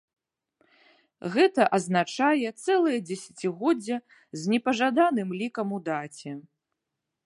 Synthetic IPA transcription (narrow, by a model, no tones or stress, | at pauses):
ɣɛt̪ɐʔɐznat͡ʂajɛt̪sɛlˠɐjɐd͡zʲɛsʲḁt͡sʲiɣɔd͡zʲːɐ | zʲnʲɛpɐʐad̪anɨmlʲikɐmud̪at͡sʲɛ